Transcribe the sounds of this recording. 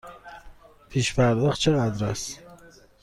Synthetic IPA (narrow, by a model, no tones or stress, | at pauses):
pʰiʃfæɾlˠɨqt͡ʃʰaad̪ɾas